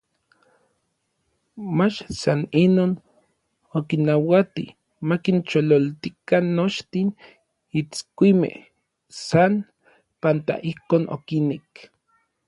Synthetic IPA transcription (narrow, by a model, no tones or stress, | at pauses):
mat͡ʃsaninoːn | okinawat̪ḭ | makint͡ʃololt̪ikanːot͡ʃt̪in | it͡skʷimḛh | san | pant̪a̰ʔihkoːnʔo̰kinek